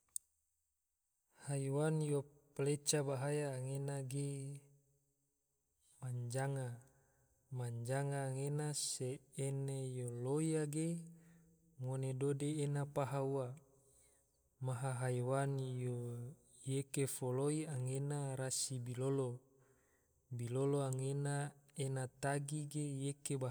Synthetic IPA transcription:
haiwanjoplet͡ʃabaɦajaːŋenaɡe | maɲd͡ʒaŋa | maɲd͡ʒaŋaːŋenaseːnejoloiaɡe | ŋonedodeːnapaɦaua | maɦaɦajwanjo | jekefoloiaŋenaɾasibilolo | biloloaŋenaenat̪aɡiɡejekeba

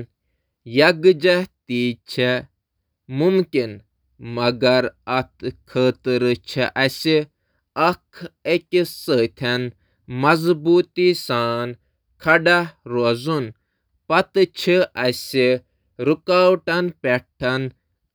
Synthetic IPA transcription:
jɐɡd͡ʒɐht̪iːt͡ʃʰe | mumkin | mɐɡɐɾɐt̪ʰkʰəːt̪ɨɾɨt͡ʃʰiʔɐsi | ɐkʰekʲisət̪ʰɐn | mɐzbuːt̪isaːn | kʰɐɖɐɾozun | pɐt̪ɨt͡ʃʰiɐsi | ɾukaːwʈɐnpʲɛʈʰːɐn

